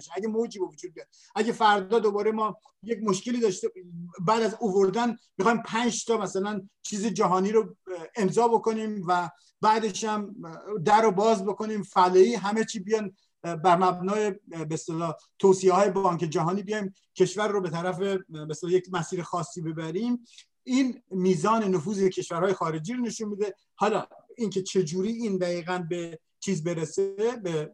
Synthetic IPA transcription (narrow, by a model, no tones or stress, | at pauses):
ʃæɡemod͡ʒibevod͡ʒuːd̪̚d̪ɾe | ʔæɟefæɾd̪ɒːd̪obɒːɾemɒː | je̞cmo̞ʃke̞liːd̪ɒːʃt̪ebæːd̪æzovo̞ɾd̪ænmixɒːjimpʰænd͡ʒt̪ʰɒːmæsælænt͡ʃʰiːzed͡ʒæɦɒːniːɾoemzɒːbo̞ko̞niːmvæ | bæːd̪e̞ʃæmd̪æɾobɒːzbo̞ko̞niːmfæleiːɦæmet͡ʃʰiːbijɒjn | bæɾmæbnɒːje̞best̪elɒːt̪ʰoːsiehɒːje̞bɒːŋke̞d͡ʒæɦɒːniːbijɒjm | cʲʰe̞ʃvæɾːobe̞t̪ʰæɾæfe̞best̪elɒːjecmæsiːɾexɒːsːiːbe̞bæɾim | ʔiːnmiːzɒːne̞nofuːzecʰe̞ʃvæɾhɒːje̞xɒːɾe̞d͡ʒiːɾone̞ʃunmid̪e̞ | hɒːlɒ̰ːiːŋkʰe̞t͡ʃʰe̞d͡ʒuːɾiːiːnd̪æɣiːɣænbe̞ | t͡ʃʰiːzbe̞ɾese̞be